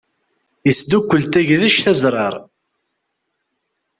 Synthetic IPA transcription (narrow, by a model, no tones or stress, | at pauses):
jəsd̪ukʷːəlt̪æʝðæʃθæzɾˤɑɾˤ